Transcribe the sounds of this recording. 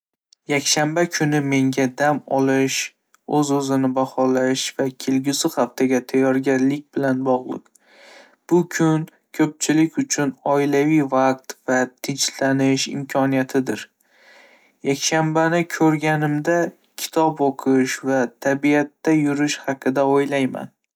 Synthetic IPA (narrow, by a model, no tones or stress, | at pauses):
jakʲʃambakʲʰʊnɪme̞ŋɡʲad̪amɒlˠɪʃ | ɵzɵzɪnɪbaχɒlaʃv̥akʲʰelɡʲʊsɪχaft̪ʰaɡʲat̪ʰajːɒɾɡʲaɾlɪk̚ʲbɪlanbɒʁlˠɨ̰q | b̥ʊkʲʰʊn | kʲʰɵp̚t͡ʃʰɪlɪkʲʊt͡ʃʰʊnɒɪlavɪjvaq̚t̪vat̪ʰɪnt͡ʃlanɪʃɪ̰mkʰɒnijat̪ʰɪd̪ɪɾ | jakʲʃambanɪkʲʰɵɾɡʲanɪmd̪a | kʲʰɪ̥t̪ʰɒpoqʰɨʃvat̪ʰabiat̪ːajʊɾɪʃhɑqʰɨd̪aojlajma̰n